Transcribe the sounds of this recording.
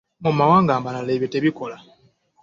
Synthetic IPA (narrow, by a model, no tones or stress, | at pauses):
mumawaːŋɡaːmbanaleβjoteβiko̞la